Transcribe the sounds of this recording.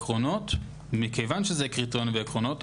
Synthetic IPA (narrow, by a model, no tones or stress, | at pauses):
kʁono̞t̪ | mikejvanʃezekʁit̪onveːkʁono̞t